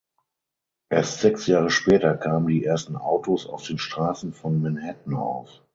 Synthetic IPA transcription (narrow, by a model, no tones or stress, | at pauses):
ʔeːɐstz̥ɛksjaːʁəʃpɛːtɐkʰaːməndiːʔeːɐstn̩ʔaʊtosa̰ʊfd̥eːnʃtʁ̥aːsn̩fɔnmɛnhɛtn̩a̰ʊf